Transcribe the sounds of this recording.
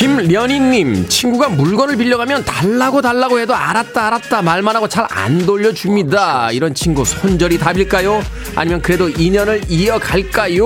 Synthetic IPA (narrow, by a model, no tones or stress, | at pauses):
kimɾjʌɲinːimt͡ɕʰinɡuɡamuɭɡʌnɯɭpiʎːʌɡamjʌntaɭːaɡotaɭːaɡohedoaɾat̚t͈aːɾat̚t͈amaɭmanɦaɡot͡ɕaɾa̰ndoʎːʌd͡ʑumɲidaiɾʌnt͡ɕʰinɡusʰond͡ʑʌɾitabiɭk͈ajo | a̰ɲimjʌnkɯɾedoiɲʌnɯɭiʌkaɭk͈ajo